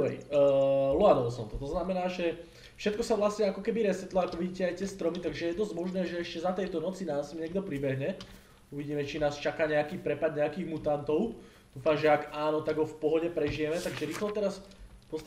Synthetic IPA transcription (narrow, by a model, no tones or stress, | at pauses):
ɛ̰j | lɔanɔɔsɔnt̪ɔt̪ɔznamɛnaːʒɛ | fʃɛt̪kɔsaʋlasɲɛakɔkɛbiɾɛsɛt̪lɔakɔʋiɟiːcɛajt̪ɪɛst̪ɾɔmit̪aɡʒɛjɛd̪ɔzɟmɔʒnɛːʒɛɛʃcɛzat̪ɛjt̪ɔnɔt͡sinaːsmɲɛɡd̪ɔpɾibɛɦɲɛ | uʋiɟiːmɛt͡ʃinaːst͡ʃakaːɲɛakiːpɾɛpad̪ɲɛakiːɣmut̪ant̪ɔʊ | d̪̥uːfaːmʒɛaɡaːnɔt̪aɡɦɔfpɔɦɔɟɛpɾɛʒijɛmɛt̪aɡʒɛɾiːxlɛt̪ɛɾaspɔst̪